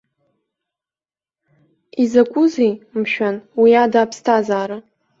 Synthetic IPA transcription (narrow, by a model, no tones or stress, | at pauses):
izakʷʼʊzejmʃᶣanwiadaːpʰstʰazaːɾa